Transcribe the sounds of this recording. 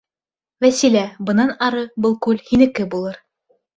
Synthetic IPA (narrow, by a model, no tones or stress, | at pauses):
væsilæbɤ̆nɑnɑɾɤbɤlˠkʉlhinɘ̆kɘbulˠɤɾ